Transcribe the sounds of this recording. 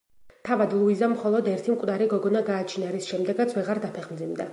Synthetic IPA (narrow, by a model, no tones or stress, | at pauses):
t̪ʰavad̪lˠuizamχɔlˠɔd̪ɛɾt̪ʰimkʼvd̪aɾiɡɔɡɔnaɡaːt͡ʃʰnaɾisʃɛmd̪ɛɡat̪sʰvɛʁaɾd̪apʰɛχmd̪zimd̪a